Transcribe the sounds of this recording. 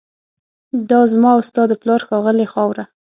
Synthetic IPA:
d̪ɑzmɑʊst̪ɑd̪plɑɾxɑɣəlexɑwɾa

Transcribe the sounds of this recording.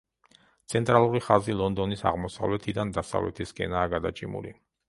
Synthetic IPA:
t̪sʰɛnt̪ʼɾalˠuɾiχazilˠɔnd̪ɔnisa̰ʁmɔsa̰vlɛt̪ʰid̪and̪asa̰vlɛ̰t̪ʰiskʼɛ̰naːɡad̪at͡ʃʼimṵlḭ

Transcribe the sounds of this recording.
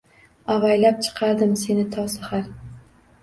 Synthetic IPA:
avajlap̚t͡ʃʰɨ̥qʰɑɾd̪ɪmse̞nɪt̪ʰɒwsχaɾ

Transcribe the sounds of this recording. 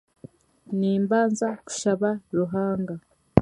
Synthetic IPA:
niːmbaːnzaku̥ʃaβaɾuɦaːŋɡa

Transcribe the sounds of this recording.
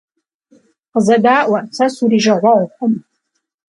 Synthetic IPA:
qzɐdaːʔʷɐsʰɐsuɾiːʒɐʕʷɐʕʷħʷʊm

